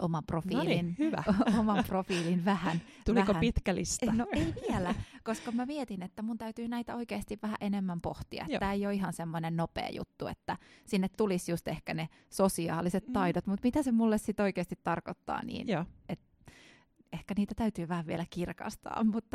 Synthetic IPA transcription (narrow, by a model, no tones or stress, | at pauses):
ʔomɑmprofiːlinhyʋæ̰omɑmprofiːlinʋæhænt̪uʋiækoæit̪kælḭst̪ɑnoeiʋielækoskɑmæmiet̪inet̪ːæmunt̪æyt̪yːnæit̪æoikeːst̪iʋʋæhæ̰ʔenemːæmpoht̪iɑ̰ettt̪æːejoiɦɑnsemːonennopḛːjṵt̪ːuḛt̪ːæsinːet̪t̪ulisjust̪ehkæne | sosiɑ̰ːliset̪tɑidot̪mut̪mit̪æsemulːessit̪oikeːst̪it̪tɑrkot̪ːɑ̰ːnḭːnet̪ | ehkæniːt̪æt̪æyt̪yːʋæhæʋʋielækirkɑ̰st̪ɑ̰ːmmut̪ːɑ